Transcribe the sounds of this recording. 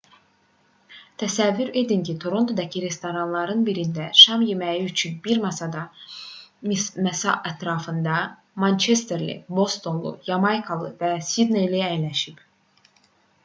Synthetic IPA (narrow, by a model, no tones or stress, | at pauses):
t̪ʰæsævːyɾe̞d̪incʰit̪ʰo̞ɾo̞nt̪ʰod̪ɑcʰiɾe̞st̪oɾɑnlˠɑɾɯnbiɾind̪æʃɑmjemæjiyt͡ʃʰynbiɾmɑsɑd̪ɑ | mæsɑ̰ʔæt̪ɾɑːfɯnd̪ɑ | mɑnt͡ʃʰe̞st̪eɾlḭbo̞st̪o̞nlˠṵjɑmɑjkʰalˠɯ̰væsid̪nejliæjlæʃip